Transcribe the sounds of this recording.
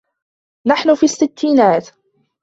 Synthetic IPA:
naħnʊfiːsːɪt̪ːiːnaːt̪

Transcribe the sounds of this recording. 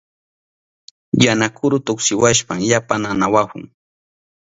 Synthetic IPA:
janakʰʊɾʊt̪ʊksɪwaʃpamjapananawahʊ̰ŋ

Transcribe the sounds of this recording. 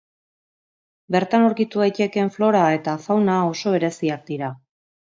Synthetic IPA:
be̞ɾt̪anoɾkit̪uejt͡ʃe̞ke̞ɱflo̞ɾae̞t̪afawnao̞so̞βe̞ɾe̞siak̚d̪iɾa

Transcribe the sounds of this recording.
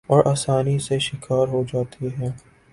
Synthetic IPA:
ɔːɾʔaːsaːniseʃɪkʰaːɾɦod͡ʒaːt̪ʰiɦɛ̃ː

